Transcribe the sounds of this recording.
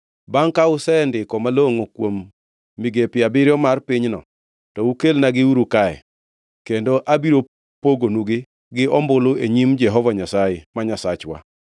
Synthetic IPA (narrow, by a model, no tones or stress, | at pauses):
baŋkaʊsɛndɪkɔmaloŋokwomː | iɡepɪabɪɾjɔmarpɪɲnɔ̰ | tɔukelnaɡɪuɾukaɛ̰ | kendoʔabiɾo | poɡonuɡɪ | ɡɪɔmbʊlʊeɲimd͡ʒɛɦɔvaɲasajemaɲasat͡ʃwa̰